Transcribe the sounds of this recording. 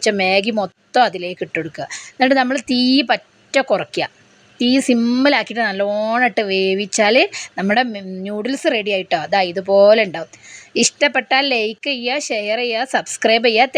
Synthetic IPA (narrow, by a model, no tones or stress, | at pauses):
t͡ɕːɐmeːɡimot̪ːoɐðile̞ːkːiʈːoɽukːuanːɖenɐmːɐɭt̪iːpɐtːɐkurɐkːija̰ | t̪iːsimːɐlaːkːiʈːɨnɐlːoːɳɐʈːɨʋeːʋit͡ɕːaːlenɐmːuɽe̞njuːɽilsɨreɽijaːjiʈːoɐðaːiðɨpo̞ːleɳɖaːʋumiʂʈɐpːeʈːaːllejkːɐjːaːɕejɐrɐjːaːsɐbskrɐjbɐjːaːt̪